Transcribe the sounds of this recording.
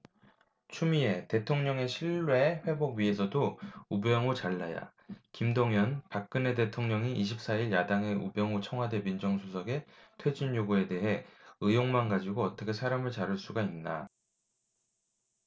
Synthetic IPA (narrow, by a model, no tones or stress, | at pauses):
t͡ɕʰumie̞te̞tʰoŋɲʌŋe̞ɕʰiɭːwe̞ɸwe̞boɡɥie̞sʰʌdoubjʌŋut͡ɕaɭːaja̰ | kimdoŋjʌnpak̚k͈ɯne̞te̞tʰoŋɲʌŋiʔiɕʰip̚s͈aiɭjadaŋe̞ubjʌŋut͡ɕʰʌŋɦwade̞mind͡ʑʌŋsʰosʰʌɡe̞tʰwe̞d͡ʑinjoɡue̞de̞ɦe̞ɯjoŋmanɡad͡ʑiɡoʌt͈ʌkʰe̞sʰaɾamɯɭt͡ɕaɾɯɭs͈uɡainːa̰